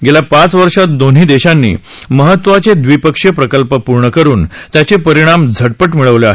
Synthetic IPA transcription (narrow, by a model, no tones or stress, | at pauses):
ɡeljapat͡sʋəɾʂat̪̚d̪on̤ɦiːd̪eɕanːḭː | məɦət̪ːʋat͡sed̪ʋipəkʂjəpɾəkəlpəpuɾɳəkəɾuːnt̪jat͡sepəɾiɽ̃amd͡zʱəʈ̚pəʈmiɭəʋleaɦ